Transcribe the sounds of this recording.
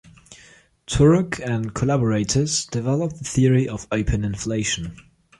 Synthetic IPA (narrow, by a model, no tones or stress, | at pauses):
tʰʊɹəkʰɨ̃nkʰəlæbəɹeɪtʰəz̥d̥ɪvɛlˠəp̚ðəθɪəɹiʔəvəʊpʰə̃nɪ̃nfleɪʃə̃n